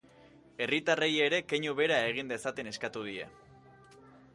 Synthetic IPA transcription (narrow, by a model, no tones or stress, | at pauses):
e̞rit̪areje̞ɾe̞keɲuβe̞ɾae̞ɣ̞ind̪e̞sat̪e̞ne̞skat̪uð̞ie̞̰